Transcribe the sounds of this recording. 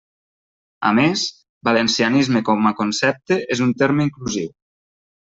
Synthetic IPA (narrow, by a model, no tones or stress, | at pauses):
a̰mes | balensianizmekɔmakonsɛp̚t̪eʔezunt̪eɾmeiŋkluziw